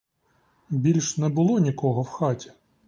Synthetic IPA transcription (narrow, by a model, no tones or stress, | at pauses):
bʲilʲʃnɛbʊlˠɔnʲikɔɦɔwxɑtʲi̥